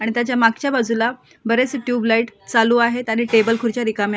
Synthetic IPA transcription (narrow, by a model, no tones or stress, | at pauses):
aɽ̃it̪jat͡ɕjamak̚t͡ɕjabad͡zula | bəɾet͡sʈjuːblaiʈt͡saluːaɦet̪añiːʈebəlkʰuɾt͡ɕjaɾikam